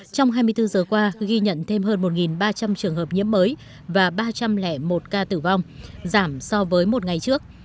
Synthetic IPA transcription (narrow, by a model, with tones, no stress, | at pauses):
t͡ɕɔ˧wŋ͡mɦaː˧jmɨ˧jt̪ɨ˧zəː˨˩kwaː˧ɣi˧ɲə̰˧˨nt̪ʰe˧mhɦəː˧nmo˨˩t̚ŋi˨˩nɓaː˧t͡ɕa˧mt͡ɕɨ˨˩əŋɦəː˨˩p̚ɲḭ˧˥əmːəː˨˦j | vaː˨˩ɓaː˧t͡ɕa˧mlɛ̰˧˨mo˨˩t̚kaː˧t̪ɨ˧˩va˧wŋ͡mzaː˧˩msɔ˧vəː˨˦jmo˨˩t̚ŋa˨˩jt͡ɕɨ˦˥ək̚